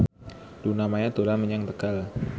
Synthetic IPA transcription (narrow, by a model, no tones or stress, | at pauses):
dunamajat̪ulaməɲaŋt̪əkal